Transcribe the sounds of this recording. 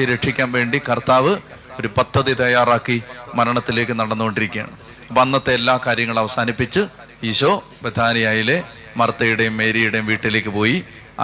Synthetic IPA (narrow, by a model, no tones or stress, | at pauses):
ɾeʈʂikʲːaːnʋe̞ːɳɖikɐrt̪aːʋɨ | o̞ɾupɐd̪ʱːɐðit̪ɐjaːraːkːimɐɾɐɳɐt̪ːile̞ːkːɨnɐɽɐnːuɣo̞ɳɖiɾikʲːja̰ːɳɨ | ɐpːɐnːɐt̪ːeelːaːkaːɾjɐŋːɐɭɐʋɐsaːnipːit͡ɕːɨ | iːɕoː | ʋed̪ʱaːnɐjaːjile̞ | mɐrɐt̪ːɐjuɽejumːe̞ːɾijuɽejumʋiːʈːile̞ːkʲːɨpo̞ːji